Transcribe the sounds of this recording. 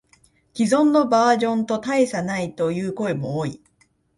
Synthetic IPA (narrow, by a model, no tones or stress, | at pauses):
kʲizõ̞nːo̞baːʑõ̞nt̪o̞t̪aesanait̪o̞jɯ̟ːko̞e̞mo̞oːi